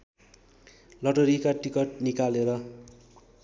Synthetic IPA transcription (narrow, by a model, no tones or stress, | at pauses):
lʌʈʌɾikaʈikʌʈ̚nikaleɾʌ